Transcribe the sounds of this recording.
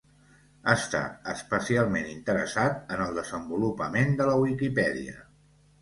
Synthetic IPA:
ast̪a̰əspəsialˠmenint̪əɾə̰sat̪ənəlˠd̪əzəmbulupəmend̪ələwikipɛðḭə̰

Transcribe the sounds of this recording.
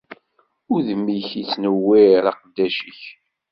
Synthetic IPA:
ʊɾðəmːiçit͡sːnəwːiɾɑqd̪ːæʃəç

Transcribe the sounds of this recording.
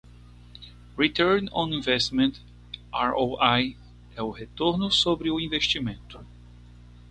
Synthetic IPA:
ɾit̪ɛɾnõnĩvɛst̪mẽnt̪ | aɾoaj | ɛʊhet̪oɾnʊsobɾɪʊĩveʃt͡ʃimẽnt̪ʊ̥

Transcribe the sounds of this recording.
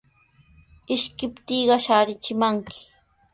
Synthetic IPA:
ɪʃkɪpt̪iːɢɑʃaːɾɪt͡ʃɪmaŋkʰɪ̥

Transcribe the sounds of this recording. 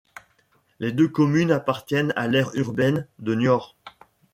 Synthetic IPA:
led̪økɔmynapaʁt̪jɛna̰lɛʁyʁbɛnd̪ənjɔʁ

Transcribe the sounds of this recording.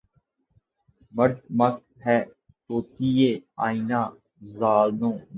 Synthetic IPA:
məɾd̪mək̚ | ɦɛː | t̪oːt̪ieːa̰ːinaː | zaːlnõː

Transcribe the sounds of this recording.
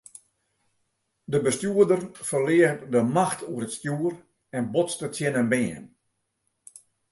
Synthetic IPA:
dəbəstjuədərfərlɪətdəmaxtʰuəɾətstjuər | ɛnbotstətjɪnənbɪːən

